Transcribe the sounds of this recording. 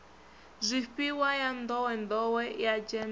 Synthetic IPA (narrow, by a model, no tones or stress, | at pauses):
zʷiɸiwajand̪ɔwɛnd̪ɔwɛjad͡ʒɛm